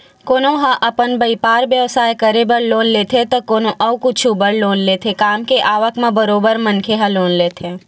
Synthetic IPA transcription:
koːnõɦãʔɐpənbəipaːɾʋjəʋsaːjkəɾebəɾloːnleːt̪ʰet̪okoːnõʔɐwkʊt͡ʃʰubəɾloːnleːt̪ʰekaːmkeʔaːʋəkmẽbəɾoːbəɾmɐ̃nkʰeɦɐ̃loːnleːt̪ʰe

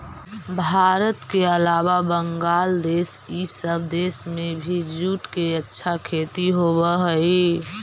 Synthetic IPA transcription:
bʱaːɾət̪keəlaːβabəŋɡaːld̪esisəbʱd̪esmẽbʱid͡ʒuʈkeətːʃʰakʰet̪iɦoβəɦəi

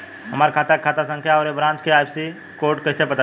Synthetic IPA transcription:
ɦəmaːɾkʰaːt̪akʰaːt̪asə̃ŋkʰjaɔɾebɾãːnt͡ʃkeaːjpsi | koːɾʈkət̪ʰepət̪a

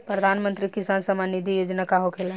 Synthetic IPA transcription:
pɾəd̪ʱanmə̃nt̪ɾikisansəmanid̪ʱijod͡ʒnakaɦokʰelẽ

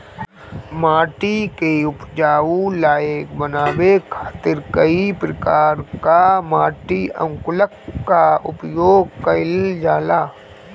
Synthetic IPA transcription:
maːʈikeʊpd͡ʒaːulaːjekbənaːbekʰḁːt̪ɪɾkəipɾəkaːɾkamaːʈiə̰̃ŋkʊləkːaʊpjoːɡ̚kəɪld͡ʒaːlaː

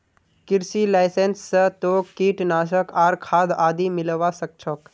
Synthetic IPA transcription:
kɪɾsilaːɪsensːət̪oːkːiːʈnaːʃəkaːɾkʰaːd̪aːd̪imɪlʋasək̚t͡ʃʰɔk

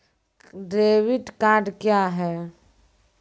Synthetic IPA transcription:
ɖɾeːʋɪʈkaːɾɖkjaːɦɛː

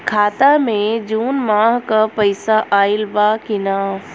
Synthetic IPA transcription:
kʰaːt̪amẽd͡ʒuːnmaːɦkapɐɪsaʔaːɪlbakɪnaː

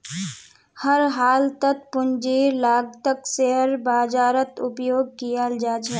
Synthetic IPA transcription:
həɾɦaːlt̪ət̚pʊnd͡ʒiːɾlaːɡt̪əkseəɾbaːd͡ʒaːɾət̪ʊpjoːɡ̚kijald͡ʒaːt͡ʃʰɛː

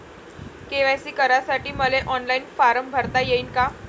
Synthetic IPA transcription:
keʋajsiːkəɾasaʈiːməleʔɔnlainfaɾəmbʱəɾt̪ajeiːnka

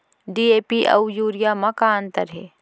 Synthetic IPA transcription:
ɖiːeːpiʔɐ̰wjuːɾijaːmɐkaə̃nt̪əɾɦeː

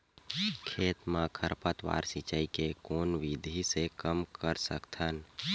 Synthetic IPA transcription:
kʰeːt̪mãkʰəɾpət̪wa̰ːɾsit͡ʃaːikekoːnʋid̪ʱisekəmkəɾsə̰kt̪ʰən

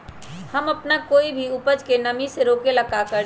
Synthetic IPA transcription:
hɐmɐpnakoːibʱiʊpəd͡ʒkenɐmiseɾoːkelɐkakəɾ

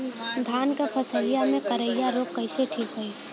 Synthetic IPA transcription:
d̪ʱaːnkepʰəsəlɪjamẽkəɾəɪjaɾoːkːɐɪseʈʰiːkɦoiː

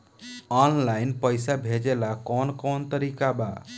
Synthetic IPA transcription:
ɔnlainpəjsabʱed͡ʒelakɔnkɔnt̪əɾikaba̰

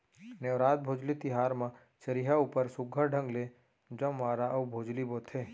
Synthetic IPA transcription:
neʋɾaːt̪̚bʱoːd͡ʒlit̪ɪɦaːɾmã | t͡ʃəɾiɦaʊpəɾsʊɡʱːəɾɖʱə̃ŋɡle | d͡ʒə̃mːaːɾaʔɐwbʱoːd͡ʒliboːt̪ʰeː

